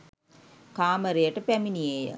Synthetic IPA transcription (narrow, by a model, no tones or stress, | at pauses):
kaːməɾejəʈəpæminijejə̰